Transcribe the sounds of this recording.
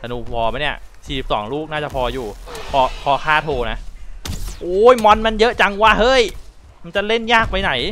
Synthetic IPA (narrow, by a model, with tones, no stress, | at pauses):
ta˨˧˩nuː˧pʰɔː˧ba˦jni˥˩ɐ | t͡ɕʰiː˨˩i˦p̚sɔ̰ː˩˦ŋluː˥˩k̚naː˥˩t͡ɕa˨˩pʰɔː˧juː˨˩pʰɔː˧pʰɔː˧kʰaː˥˩t̪ʰoː˧na˦˥ʔ | ʔoː˦˩jmɔ˧nma˧njɤ˦˥ʔt͡ɕa˧ŋwaː˥˩hɤː˦˥˩j | ma˧nt͡ɕa˨˩le˥˩njaː˥˩k̚pa˧jna˨˩˦j